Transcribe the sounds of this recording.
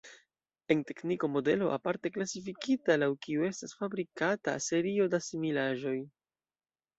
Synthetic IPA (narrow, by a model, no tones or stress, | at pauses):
e̞nte̞kniko̞mo̞de̞lo̞̰ʔa̰paɾte̞klasifikitalawkiue̞stasfabɾikata̰se̞ɾio̞dasimilaʒo̞j